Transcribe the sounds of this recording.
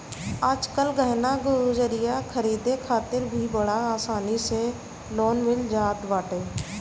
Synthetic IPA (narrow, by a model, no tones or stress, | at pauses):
aːd͡ʒkəlɡəɦnaɡʊd͡ʒəɾɪjakʰəɾiːd̪ekʰaːt̪ɪɾbʱibəɽ̤aaːsaːnise | loːnmɪld͡ʒaːt̪ʋaːʈeː